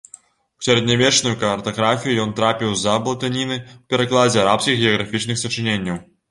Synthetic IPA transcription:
w̥sʲɐɾɛd̪nʲavʲɛt͡ʂnujukɐrt̪ɐɣɾafʲijujɔnt̪ɾapʲiwzɐblˠɐt̪anʲinɨwpʲɛɾaklˠad͡zʲɛaɾapskʲixɣʲɛɐɣɾafʲit͡ʂnɨxsɐt͡ʂɨnʲenʲːɐw

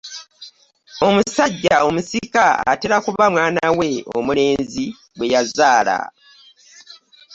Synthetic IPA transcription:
o̞musaɟːao̞musikaa̰teɾakuβamwaːnawe̞o̞̰mule̞ːnzi | bwe̞jazaːla̰

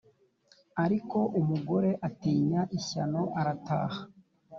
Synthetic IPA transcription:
aɾiko̞ʔumuɡo̞ɾe̞ʔatiːɲaʔiçano̞ʔaɾata̰ːha

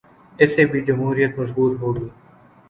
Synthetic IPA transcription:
ɪsebʱid͡ʒɐmɦuːɾijət̪mɐzbuːt̪ɦoːɡiː

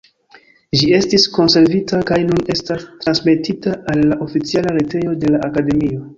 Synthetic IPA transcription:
ʒie̞stisko̞nse̞ɾvitakajnune̞stastɾansme̞titaalːaʔo̞fit͡sialaɾete̞jo̞de̞laʔakade̞mio̞

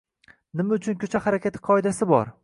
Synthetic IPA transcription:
nɪmaʊt͡ʃʰʊnkʲʰɵt͡ʃʰahaɾakʲʰat̪ʰɪ̥qʰɒɪd̪asɪbɒ̰ɾ

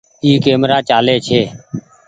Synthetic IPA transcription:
iːkeːmɾaːt͡ʃaːleːt͡ʃʰeː

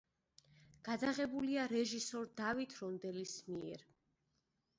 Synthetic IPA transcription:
ɡ̥ad̪aʁɛbuliaɾɛʒisɔɾd̪avit̪ʰɾɔnd̪ɛlismiɛ̰ɾ

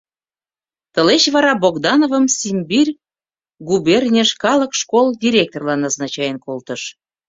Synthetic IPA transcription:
t̪əleɕβɑɾɑboɣd̪ɑnovəmsʲimʲbirʲ | ɡuberʲnʲeʃkɑləkʃkolˠd̪ʲiɾʲek̚t̪orlɑnɑznɑt͡ɕɑjenkolt̪əʃ

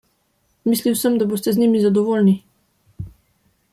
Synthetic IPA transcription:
misliwsəmd̪aboːst̪ɛznimizad̪ɔvoːlni

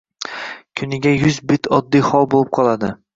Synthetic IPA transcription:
kʲʰʊnɪɡʲajʊzbɪt̪ʰɒd̪ːijχɒlˠbolˠɪp̚qʰɒlˠad̪ɪ

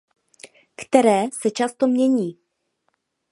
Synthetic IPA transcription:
kt̪ɛɾɛːsɛt͡ʃast̪omɲɛɲiː

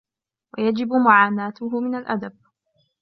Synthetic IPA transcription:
wajad͡ʒɪbmʊʕaːnaːt̪ʊɦʊmɪnalʔa̰d̪ab̚

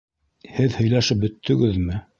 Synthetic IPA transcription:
hɘðhɵ̆jlæʃɘp̚bɵ̆t̪ʰːɵ̆ɡɘðmɘ

